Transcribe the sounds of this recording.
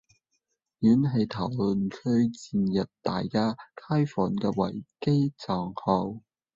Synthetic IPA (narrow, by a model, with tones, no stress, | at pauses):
jyː˨˥nɦɐ˨˧jt̪ʰɐ˨˩wlɵ˨nkʰɵ˥ɥt͡siː˨˧njɐ˨p̚t̪a̰ː˨jkaː˥kʰaː˥jfɔː˨˩nkɛː˧wɐ̰˨˩jke˥jt͡saː˨˩ŋhɔː˧w